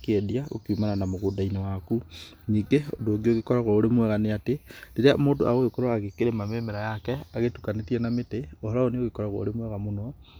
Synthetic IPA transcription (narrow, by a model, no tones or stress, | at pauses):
kediaɣo̰kiumananamoɣodainawaku | ɲiːŋɡeondoːɡioɣekɔɾaɣoːɾemwɛɣaneatedeɾeamoːndoa̰ɣoekɔɾwaːɣekeɾemamemeɾajakɛaɣetukanetiɛnameteohɔɾaoneoɣekɔɾaɣo̰ːɾemwɛɣamonɔ